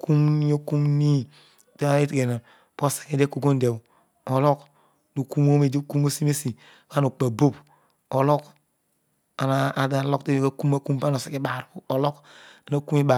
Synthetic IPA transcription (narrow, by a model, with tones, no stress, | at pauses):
ku˦m˦o˦ku˦mni˦ | ta˦a˦i˦te˨na˨ | bo˦se̥˨ki˦de˦ku˨ɡo˦nde˨bu˨ | o˨lo˦k | du˨ku˦mo˦me˨di˦ku˦mo˦si˦me˦si˨ | ka˦no˨k͡pa˨bo˦p | o˨lo˦k | a˨na˦a˨da˦˨lo˦kti˦˨ba˦ku˦ma˦ku˦mpa˦no˨se˨ki˦ba˨ɾbu˨o˨lo˦ka˨na˦ku˦mi˦ba˨